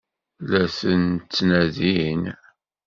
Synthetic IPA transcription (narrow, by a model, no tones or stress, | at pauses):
læθənt͡sːnæðin